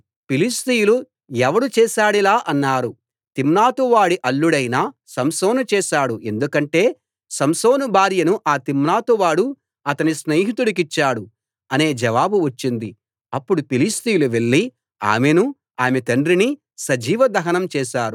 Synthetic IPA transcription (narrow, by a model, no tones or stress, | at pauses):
pilist̪ijulu | ɛʋɐɽut͡ʃɛːʃaːɽilaːʔɐnːaːɾu | t̪imnaːt̪uʋaːɽiʔɐɭːuɽɐjnaːsɐmso̞ːnut͡ʃɛːʃaːɽue̞nd̪ukɐɳʈe̞ː | sɐmso̞ːnubʱaːɾjɐnuʔaːt̪imnaːt̪uʋaːɽu | ɐt̪ɐnisneːɦit̪uɽik̬it͡ʃːaːɽu | ɐne̞ːd͡ʒɐʋaːbuʋɐt͡ʃːind̪i | ɐpːuɽupilist̪ijuluʋe̞ɭːi | a̰ːme̞nu | aːmet̪ɐɳɖɾini | sɐd͡ʒiːʋɐd̪ɐɦɐnɐmt͡ʃɛːʃaːɾu